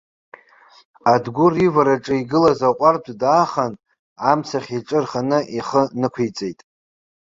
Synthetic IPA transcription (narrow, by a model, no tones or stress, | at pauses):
adɡʷʊrivaɾaʈ͡ʂʼɨiɡɨlazaqʷʼardʰʷdaːχan | amt͡sʰaχʲiʈ͡ʂʼɨrχanɨʔiχənɨkʷʰijt͡sʼe̞jtʼ